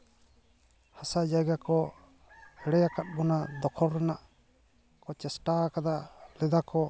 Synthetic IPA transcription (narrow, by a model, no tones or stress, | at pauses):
hasad͡ʒajɡakɔ | hɛɽɛjakat̪̚ˀbɔnad̪ɔkʰɔɾɾɛnaʔ | kɔt͡ʃɛsʈakad̪alɛd̪akɔ